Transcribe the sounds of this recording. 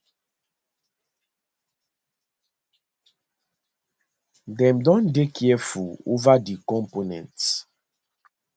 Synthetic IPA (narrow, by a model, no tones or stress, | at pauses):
dɛ̃mdɔ̃ndekʰiɛfuo̰vadikɔ̃mponɛ̰̃nts